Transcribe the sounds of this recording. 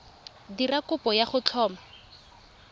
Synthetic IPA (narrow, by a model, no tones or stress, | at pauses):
dirakʊpɔjaχʊt͡ɬʰɔːma